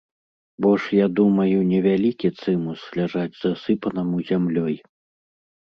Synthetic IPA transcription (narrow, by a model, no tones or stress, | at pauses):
bɔʂjad̪umɐjunʲɛvʲalʲikʲit̪sɨmuslʲaʐad͡zʲzɐsɨpɐnɐmuzʲamlʲɔj